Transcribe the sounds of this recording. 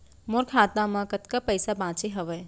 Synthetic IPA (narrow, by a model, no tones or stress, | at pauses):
moɾkʰaːt̪amãkət̪kapəjsabãːt͡ʃeɦəʋɛː